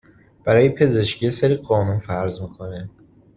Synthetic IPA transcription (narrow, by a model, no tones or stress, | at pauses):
b̥æɾɒːjepʰe̞ze̞ʃcʰijeseɾiɢɒːnunfæɾzmiːkʰo̞ne